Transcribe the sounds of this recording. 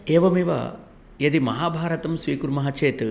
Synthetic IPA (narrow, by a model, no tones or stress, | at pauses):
eːʋɐmiʋɐ̰ | jɐd̪imɐɦaːbʱaːɾɐt̪ɐmsʋiːkuɾmɐɦɐt͡ʃeːt̪